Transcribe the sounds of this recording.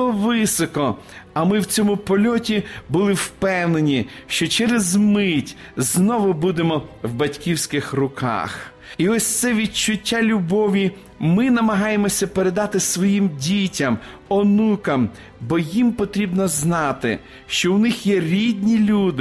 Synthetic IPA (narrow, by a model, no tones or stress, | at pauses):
ɔʋɪsɔkɔ | ɐmɪwt͡sʲɔmʊpɔlʲɔtʲibʊlˠɪwpɛwnenʲiʃt͡ʃɔt͡ʃɛɾezmɪtʲznɔʋʊbud̪emɔwbɐtʲkʲiwsʲkɪxrʊkɑ̰x | iɔsʲt̪sɛʋʲit͡ʃʊtʲːalʲʊbɔʋʲi | mɪnɐmɐɦɑjemɔsʲɐpeɾe̞d̪ɑt̪ɪsʋɔjimdʲitʲɐmɔnukɐm | bɔjimpɔt̪ɾʲibnɔznɑt̪ɪ̰ | ʃt͡ʃɔwnɪxjɛɾʲidʲnʲilʲud̪ɪ